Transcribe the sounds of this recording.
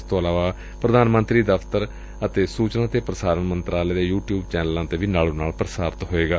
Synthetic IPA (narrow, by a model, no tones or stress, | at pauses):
st̪õːəlaːʋaː | pɾəd̪ʱaːnmə̃nt̪ɾiːd̪əpʰt̪əɾ | ət̪eːsuːt͡ʃnãːt̪eːpɾəsaːɾənmənt̪ɾaːleːd̪eːjuːʈjuːbt͡ʃɛːnəlãːt̪eːbiːnaːlõːnaːlpɾəsaːɾət̪ɦoːeːɡaː